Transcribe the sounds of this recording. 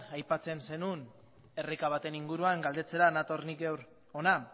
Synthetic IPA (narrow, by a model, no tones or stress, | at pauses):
ajpat͡se̞nse̞nun | e̞rekaβat̪e̞niŋɡuɾuaŋɡald̪e̞t͡se̞ɾanat̪o̞rnikɡewɾ | o̞na